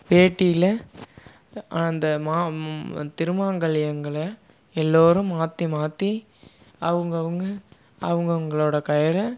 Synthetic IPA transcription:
peːʈːijɪlɐ | ɐnd̪ɐmaːt̪ɪɾɯmaːŋɡɐɭɪjɐŋɡɐɭɐ | ɛlːoːɾɯ̃mmaːt̪ːimaːt̪ːi | ɐʋɐŋɡɐʋɐŋɡɐ | ɐʋɐŋɡɐŋɡɐɭoːɽɐkɐjɐɾɐ

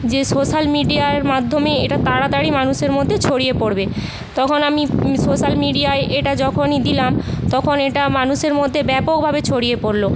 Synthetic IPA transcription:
d͡ʑesoʃalmiɖiaeɾmad̪ʱːomeeʈat̪aɽat̪aɽimanuʃeɾmod̪ʱːet͡ɕʰoɽijepoɽbe | t̪ɔkʰonamisoʃalmiɖiaeʔeʈad͡ʑɔkʰonid̪ilamt̪ɔkʰoneʈamanuʃeɾmod̪ʱːebɛpok̚bʱabet͡ɕʰoɽiepoɾlo

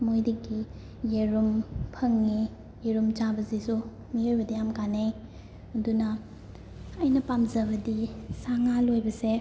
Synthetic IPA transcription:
mojdiɡi | jeɾumpʰɐŋːi | jeɾumt͡ʃabɐzisu | miojbɐdijamkanej | ɐdunɐː | jnɐpamzɐβɐdisaŋalojbɐse

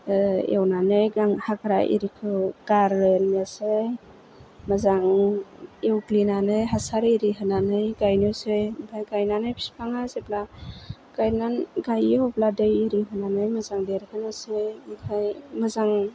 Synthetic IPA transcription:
ḛwnanɯjɡaŋhakɾa̰ʔḭɾikʰɯɡ̥aɾːɯjnmase | mazaŋ | ewklinanɯjɦasaɾiɾiɦɯnanɯjɡajnɯwsempʰajɡajnanɯjpʰi̥spʰaŋasepla | ɡ̥ajnanɡajihɔpladejiɾiɦɯnanɯjmɯzaŋdeɾkʰɯnɯsemkʰajmɯzaŋ

